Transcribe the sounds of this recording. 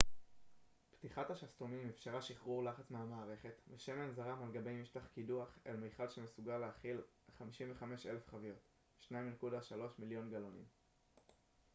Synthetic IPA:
pt̪iχat̪haʃast̪omimefʃaʁaʃiχʁuʁlaχat͡smeamaːʁe̞χe̞tveʃe̞me̞nzaʁamalɡabe̞jmiʃtaχkiduaχḛlmejχalʃemesuɡaleaχilχamiʃimveχame̞ʃe̞le̞fχavijot | ʃnajimnekudaʃalo̞ʃmiljo̞nɡalonḭm

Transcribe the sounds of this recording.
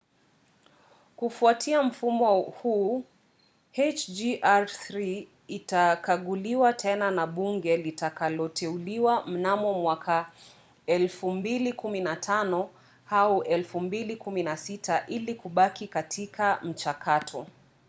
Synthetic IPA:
kufuatʰiam̩fumɔhu | het͡ʃd͡ʒiʔaɾθɾiː | takaɠuliwatʰɛnanaɓuŋɡɛlitakalɔtʰɛuliwam̩namɔmwakʰa | ɛlfumbilikuminatʰanɔ | hauʔɛlfumbilikuminasitʰaʔilikuɓakikatʰikam̩t͡ʃakʰatʰɔ

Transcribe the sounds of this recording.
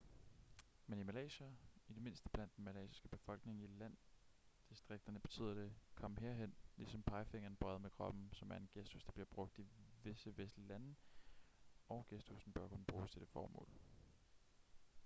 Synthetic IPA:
menimælɛ̰ːɕæid̥e̝me̝nsd̥əb̥læn̰d̥enmælɛ̰ːɕi̥sɡ̥əb̥e̝fɒ̽l̰ɡ̥ne̝ŋilæn̰d̥isd̥ʁeɡ̥̚d̥ɐnəb̥e̝̥t͡sʰy̰ːð̰ˠɐd̥e̝kʰɒ̽m̰ɦeɐ̰ɦen̰lisɒ̽mpʰɑ̈ɪfeŋɐn̩b̥ʁɶːðˠmekʰʁɒ̽b̥n̩sɒ̽mæɐe̝nɡ̥esd̥husd̥ɑ̈b̥liɐb̥ʁɔ̽ɡ̥̚d̥iʋe̝səʋesd̥lilæn | ɒ̽ʊɡ̥esd̥usn̩b̥ɶɐkʰonəb̥ʁuːst͡sʰe̝d̥efɒ̰ːmɔ̰̽ːl

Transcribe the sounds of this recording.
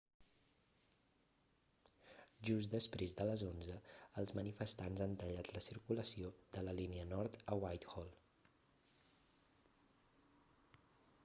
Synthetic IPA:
ʒuzd̪əspɾezd̪ələzonzəəlˠzmənifəst̪anzant̪əʎat̪ləsiɾkuləsioðələliniənɔɾt̪əwajt̪xɔlˠ

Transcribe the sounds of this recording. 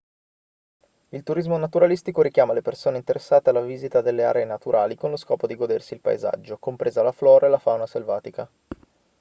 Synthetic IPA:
ilt̪uɾizmonat̪uɾalist̪ikoɾikjaːmalepersoːneint̪eɾesːaːt̪ealːaviːzit̪ad̪elːea̰ɾeenat̪uɾʔa̰ːlikonloskɔːpod̪iɡod̪ersiːlpa̰ḛza̰d͡ʒːokompɾeːzalaflɔːɾaelafawnaselvaːt̪ika

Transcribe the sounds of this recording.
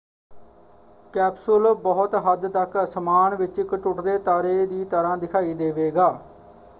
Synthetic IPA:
kɛːpsʊlbɔːʊt̪ɦəd̪t̪əksəmaːnʋɪt͡ʃɪkʈʊʈd̪eːt̪aːɾeːd̪iːt̪əɾãːd̪ɪkʰaːiːd̪eːʋeːɡaː

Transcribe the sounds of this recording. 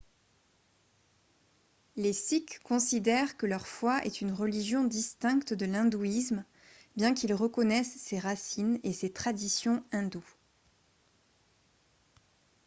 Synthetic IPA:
lesikʰːɔ̃sid̪ɛʁkəlœʁfwaʔɛ̰t̪ynʁəliʒjɔ̃d̪ist̪ɛ̃kt̪d̪əlɛ̃d̪uism | bjɛ̃kilʁəkɔnɛsːeʁasineset̪χad̪isjɔ̃ɛ̃d̪u

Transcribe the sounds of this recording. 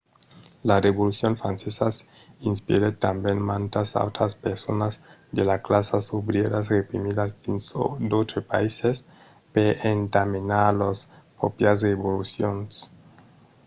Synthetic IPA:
lareβolusjonfɾansesasinspḭɾet̪ambjenmant̪asa̰wt̪ɾaspeɾsonazd̪elaklasasoβɾjeɾasrepɾimiðazd̪insod̪ot̪ɾepa̰ises | peʔent̪aminalospɾopjas̬reβolusjons

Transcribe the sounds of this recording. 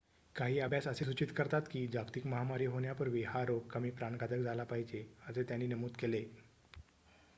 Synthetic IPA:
kaɦiːəbʱjasəses̬ut͡ɕit̪kəɾt̪at̪kiːd͡ʑakt̪ikməɦamaɾiːɦoɳjapəɾʋiɦaɾoɡ̚kəmiːpɾaɳɡad̪əkd͡zʱalapaɦid͡ʑeəset̪janːiːnəmuːt̪kele

